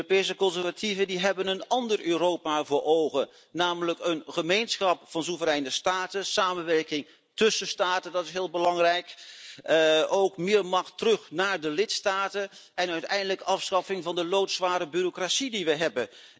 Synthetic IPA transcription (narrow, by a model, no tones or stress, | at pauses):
opejsəkɔnzɛɹvativəndiɦɛbənənɑndəɹʔøːɾoːwpaːvʊːɹʔowχən | naːmələkənχəmejnsχɑpfɑnsuvərɛjnəstaːtənsaːmənʋɛɹkɪŋ | tɵsəstaːtəndɑtɪsɦɪːlˠbəlɑŋrɛjk | owkmɪːɹmɑχtərɵχnaːɹdəlɪtstaːtənɛnœɥtɛjndələkɑfsχɑfɪŋvɑndəlowtsʋaːɾəbyrokrasidiʋəjɦɛbən